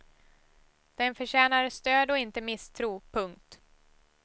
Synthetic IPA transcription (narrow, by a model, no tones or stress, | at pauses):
d̪̥ɛnfœɕɛːnaɾəst̪øːd̪ɔɪnt̪əmɪst̪ʰɾuːpʰɵŋk̚t̪